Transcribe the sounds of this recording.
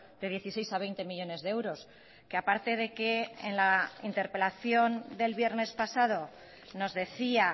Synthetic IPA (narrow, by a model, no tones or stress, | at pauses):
d̪e̞ð̞je̞θise̞jsaβjnt̪e̞miʎo̞ne̞zðeewɾo̞s | keapaɾt̪e̞ð̞e̞ke̞ḛnlaint̪e̞ɾpe̞laθjo̞nd̪e̞lβje̞ɾne̞spasað̞o̞ | no̞zðe̞θia